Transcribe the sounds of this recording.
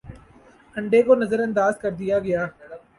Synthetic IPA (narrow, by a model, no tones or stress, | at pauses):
ɐ̃ɳɖekonɐzəɾɐ̃nd̪aːzkɐɾd̪ijaɡɐjaː